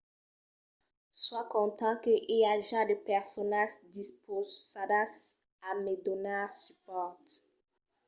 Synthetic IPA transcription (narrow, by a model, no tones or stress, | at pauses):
swakɔ̃t̪ɑ̃kəʔeaʒad̪əpɛʁsɔnaʒd̪ispʰozsad̪as | amed̪ɔnasypɔʁt̪